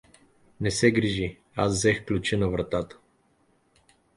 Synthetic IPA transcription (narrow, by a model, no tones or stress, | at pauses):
nɛsɛɡɾiʒi | azzɛxklʲut͡ʃinɐvɾɐt̪at̪ə̥